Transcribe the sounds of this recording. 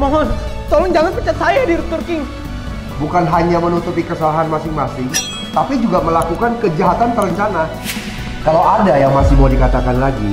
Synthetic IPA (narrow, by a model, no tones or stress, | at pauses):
mɔɦɔn | t̪ɔlɔŋd͡ʒaŋanpət͡ʃat̪sajadiɾut̪urkɪŋ | bukanɦaɲamənut̪upikəsalaɦanmasɪŋmasɪŋ | t̪apid͡ʒuɡaməlakukankəd͡ʒaɦat̪ant̪əɾəɲt͡ʃana | kalawʔadajaŋmasɪhmoadikat̪akanlaɡḭ